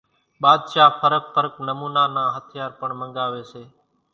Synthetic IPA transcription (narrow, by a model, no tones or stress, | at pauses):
ɓaːd̪ʃaːpʰəɾək̚pəɾəknəmuːnaːnãːɦət̪ʰɪjaːɾpəɳməŋɠaːʋeːseː